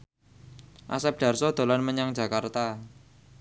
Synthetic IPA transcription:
ʔa̰sɛp̚ɖ̥a̤rsɔd̪̥o̤lanməɲaŋ̥d͡ʒ̥ä̤kart̪a

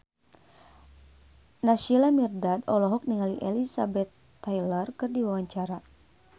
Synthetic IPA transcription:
naʃilamirdadɔlɔɦɔk̚niŋaliʔɛlisa̰bɛt̪ːajlərkɨrdiwawaɲt͡ʃaɾa

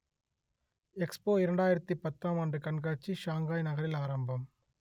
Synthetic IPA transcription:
ɛkspoːɪɾɐɳɖaːjɪɾɐt̪ːipɐt̪ːaːmaːndrɯkɐɳɡaːt͡ʃːiʃaːŋɡaːjnɐɣɐɾɪlaːɾɐmbɐm

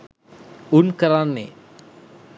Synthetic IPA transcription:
unkəɾanːḛ

